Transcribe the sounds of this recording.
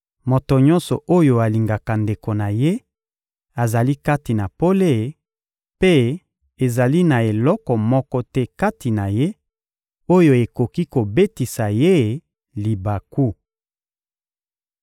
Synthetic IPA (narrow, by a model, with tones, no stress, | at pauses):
mo˨to˨ɲɔ̃˦nsɔ˨ʔo˦jo˨a˨li˨ŋɡa˨ka˨nde˨ko˨na˨je˦ | a˨za˨li˦ka˦ti˨na˨po˦le˦˨ | pe˦ | e˨za˨li˦na˨e˨lɔ˦kɔ˨mɔ˦kɔ˦tɛ˦ka˦ti˨na˨je˦ | o˦jo˨e˨ko˨ki˦ko˨be˦ti˨sa˨je˦ | li˨ba˨ku˦